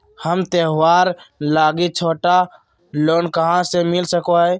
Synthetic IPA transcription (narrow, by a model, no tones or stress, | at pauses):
həmt̪eɦwaːɾlaːɡit͡ʃʰoːʈa | loːnkəɦãsemɪlsəkoɦɛː